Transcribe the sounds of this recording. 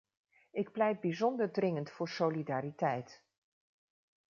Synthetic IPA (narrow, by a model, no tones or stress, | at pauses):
ɪk̚plɛjt̚bizɔndəɹdrɪŋəntfʊːɹsolidaːɾitɛjt